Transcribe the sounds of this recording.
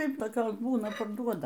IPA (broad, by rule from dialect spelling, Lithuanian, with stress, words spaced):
ˈtɐɪp toːˈkʲoːs ˈbuːnɐ pɐrˈduɔdɐ